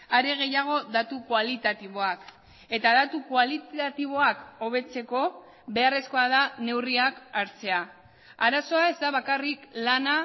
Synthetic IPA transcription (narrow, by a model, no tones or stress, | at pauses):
aɾe̞ɣ̞e̞jaɣ̞o̞ðat̪ukwalit̪at̪iβ̞o̞ak | e̞t̪aðat̪ukwalit̪at̪iβ̞o̞ako̞β̞e̞t͡se̞ko̞ | βe̞are̞sko̞aðane̞wriakaɾt͡se̞a | aɾaso̞ae̞zd̪aβ̞akariklana